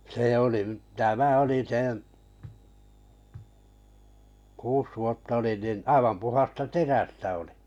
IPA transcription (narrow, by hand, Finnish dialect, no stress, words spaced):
seˑ oliʔ tæmæ oli sẽː kuːs ʋuotːɑ olin nin ɑiʋɑm puhɑstɑ teræstæ oli̥